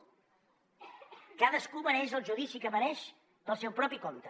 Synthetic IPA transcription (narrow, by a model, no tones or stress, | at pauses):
kaðəskuβənɛʃəlˠʒuðisikəmənɛʃ | dəlˠsɛwpɾɔpikont̪ə